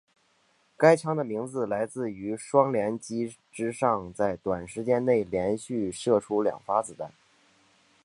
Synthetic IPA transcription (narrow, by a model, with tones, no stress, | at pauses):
ka˥ɪt͡ɕʰɑ˥ŋd̪ə˨li˧˥ŋt͡sɹ̩˧˩la˧˥ɪt͡sɹ̩˥˩y˧˥ʂwɑ˥ŋljɛ˧˥nt͡ɕi˥ | ʈ͡ʂɻ̩˥ʂɑ˥˧ŋt͡sa˥˩ɪt̪wa˨˩nʂɻ̩˧˥t͡ɕjɛ˥nne˥˩ɪljɛ˧˥nɕy˥˧ʂɤ˥˩ʈ͡ʂʰu˥ljɑ̰˨˩ŋfa˥t͡sɹ̩˨˩t̪a˥˩ɪ